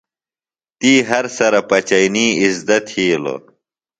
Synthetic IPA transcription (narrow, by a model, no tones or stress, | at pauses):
t̪iːɦɐɾsɐɾɐpɐt͡ɕɐjniːizd̪ɐt̪hiːlo̰